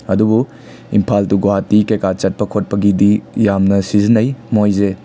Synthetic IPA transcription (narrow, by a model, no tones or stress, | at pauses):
ɐdubu | ḭmpʰaltuɡoɦatikekat͡ʃɐt̚pɐkʰot̚pɐɡidijamnɐsizinɐjmojze